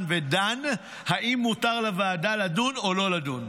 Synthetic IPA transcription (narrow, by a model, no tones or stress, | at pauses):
nvedan | haʔimːutaʁlavaːdaladuno̞lo̞ladun